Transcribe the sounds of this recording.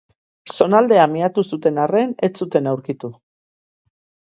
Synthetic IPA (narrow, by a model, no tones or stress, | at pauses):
so̞nald̪e̞amiat̪usut̪e̞nare̞net͡sut̪e̞nawɾkit̪u